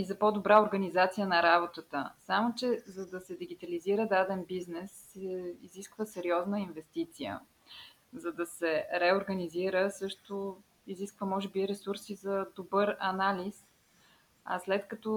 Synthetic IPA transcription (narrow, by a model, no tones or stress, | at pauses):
izɐpɔd̪obɾaoɾɡənizat̪sijənɐɾabot̪ət̪əsamot͡ʃɛzɐd̪ɐsɛd̪iɡit̪ɐliziɾəd̪ad̪ɛnbiznɛs | ɛiziskvəsɛɾiɔznəinvɛst̪it̪sijə̰ | zɐd̪ɐsɛɾɛoɾɡəniziɾəsɤʃt̪ʊ | iziskvəmɔʒɛbiɾɛsuɾsizɐd̪obɤɾɐnalis | ɐ̰slɛt̪kɐt̪ɔ